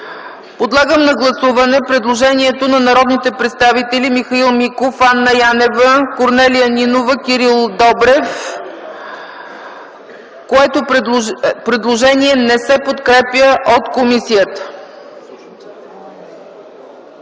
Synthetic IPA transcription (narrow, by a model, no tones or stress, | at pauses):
pod̪lˠaɡəmnɐɡlˠɐsuvɐnɛpɾɛd̪lˠoʒɛniɛt̪onɐnɐɾɔd̪nit̪ɛpɾɛt̪st̪avit̪ɛlʲimixɐilˠmikofanːɐjanɛvəkoɾnɛlijəninovəkʲiɾilˠd̪ɔbɾɛf | koɛt̪o | pɾɛd̪lˠoʒɛniɛnɛsɛpot̪kɾɛpjəʔot̪komisijət̪ə̥